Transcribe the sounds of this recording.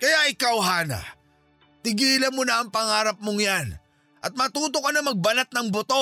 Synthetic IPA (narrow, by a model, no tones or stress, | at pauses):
kɐjaʔɪkawɦaːnɐ̰ | t̪ɪɡiːlɐnmonɐɐŋpɐŋaːɾɐp̚moŋjan | ʔɐt̪̚mɐt̪uːt̪̬okːɐnɐmɐɡ̚bɐlat̪̚nɐŋbot̪o̞